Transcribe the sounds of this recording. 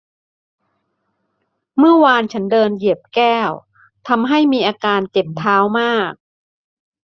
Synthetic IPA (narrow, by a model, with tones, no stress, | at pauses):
mɯ˥˩ɐwaː˧nt͡ɕʰa˦˥ndɤː˧nji˨˩əp̚kɛː˥˩w | t̪ʰa˧mɦa˥˩jmiː˧ʔaː˧kaː˧nt͡ɕe˨˩p̚t̪ʰaː˦˥wmaː˥˩k̚